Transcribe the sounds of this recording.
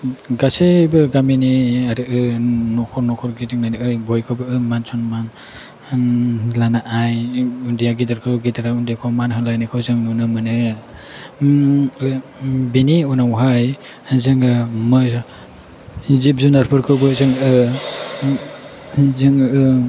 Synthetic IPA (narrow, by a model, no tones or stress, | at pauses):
ɡasebɯɡaminiaɾɯʔɯnɔkʰɔɾnɔkʰɔɾɡidɯŋnajniɯjbɔjkʰɯwbɯɯmansʰɔnman | lanaʔajundijaɡidaɾkʰwɡitʰaɾaundijakʰawmanhɯŋlajnikʰawzɯŋnunɯmɯnɯ | biniunawɦaj | zɯŋɡamɯ | zip̚zunaɾpʰɯɾkʰɯwbɯzɯŋɯ | zɯŋɯɯ